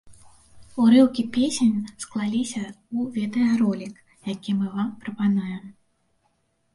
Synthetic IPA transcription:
uɾɨwkʲipʲesʲenʲsklˠalʲisʲɐ | uvʲɛt̪ɛaɾɔlʲik | jakʲimɨvampɾɐpanajɛm

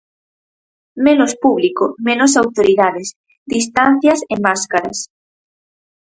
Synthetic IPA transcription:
menospuβlikomẽnos̬awt̪oɾiðaðɪs | d̪ist̪an̟θjɐsemmaskaɾɐ̰s

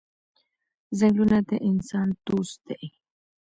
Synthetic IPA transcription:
zeŋlunat̪eʔinsant̪ust̪eʔi

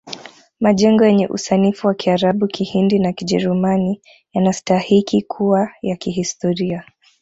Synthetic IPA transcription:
maʄɛŋɡɔjɛɲɛʔṵsanifuwakiaɾaɓukihindinakiʄɛɾumani | janastahikikʰuwajakiɦistɔɾia

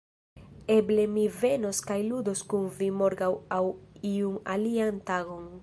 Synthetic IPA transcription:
e̞ble̞mive̞no̞skajludo̞skunvimo̞ɾɡawawiuna̰liantaɡo̞n

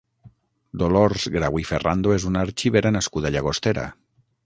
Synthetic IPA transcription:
d̪oloɾzɣɾaɣwiferand̪oezunaɾt͡ʃiβeɾanaskuð̞aʎaɣ̞ost̪eɾa̰

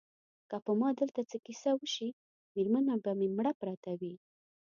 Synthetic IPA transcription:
kapəmɑd̪əlt̪at͡səkisawəʃi | meɾmanabamemɽapɾat̪awi

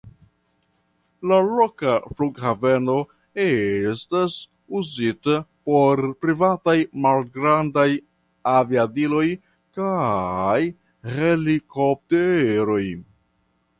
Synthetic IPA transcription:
lalokafluɡhave̞no̞ | estas | uzitapo̞ɾpɾivatajmalɡɾandaj | aviadilo̞j | kaj | he̞likop̚teɾo̞j

